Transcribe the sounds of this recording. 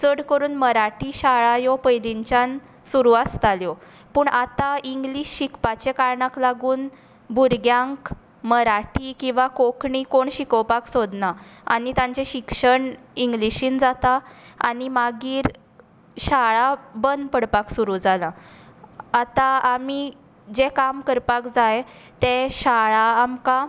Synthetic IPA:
t͡səɽkəɾuːnməɾaʈiɕaɭajɔpəjd̪iɲt͡ɕan | suɾuast̪aljɔ | pəːɳʔat̪aiŋɡliɕɕikpat͡ɕekaɾɳaklaɡuːn | buɾɡjãŋk | məɾaʈikĩw̃ʋakokɳikoɳɕikəwpaksod̪naa̰nit̪ãɲt͡ɕeɕikʂəɳiŋɡliɕiːnd͡zat̪aa̰nimaɡiːɾ | ɕaɭabənd̪pəɽpaksuɾuːd͡zalã | at̪aami | d͡ʑekamkəɾpakd͡zaje | t̪eɕaɭaːmka

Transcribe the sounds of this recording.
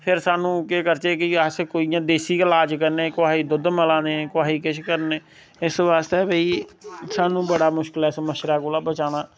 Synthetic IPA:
pʰɪɾsaːnũːkeːkəɾt͡ʃeːkɪəskoːijãːd̪eːsiːkəlaːd͡ʒk̬əɾneːkʊaːiːd̪ʊd̪məlãːd̪ẽːkʊaːɦiːkɪʃkəɾneː | ɪsʋaːst̪eːbeiːsaːnũːbəɽaːmʊʃkɪlɛːɪsməʃɾaːkoːlaːbət͡ʃaːñaː

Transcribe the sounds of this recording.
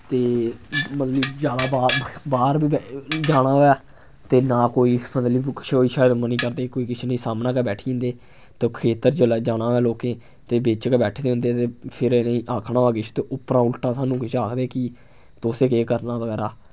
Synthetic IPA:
t̪eːmət̪ləbd͡ʒjaːd̪aːbaːbaːɾbiːbd͡ʒaːɽ̃aːoːɛː | t̪eːnaːkoːiːmət̪ləbʃoiːʃaːd̪məniːkəɾd̪eːkoːiːkɪt͡ʃʰenĩːsaːmnãːkɛbɛːʈʰĩːnd̪eː | t̪ekʰeːt̪əɾd͡ʒd͡ʒaːɽ̃aːoɛːloːkẽː | t̪eːbet͡ʃkɛbɛːʈʰd̪eːɦʊ̃nd̪eːt̪eːpʰɪɾnĩːʔaːkʰnãːoːkɪt͡ʃʰt̪eːʔʊpɾãːʊlʈãːsaːnũːkɪt͡ʃʰaːkʰd̪eːki | t̪oːseːkeːkəɾnaːʋəɡɛːɾaː

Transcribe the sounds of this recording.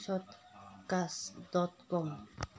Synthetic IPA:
ʃot̪kasd̪ot̪koŋ

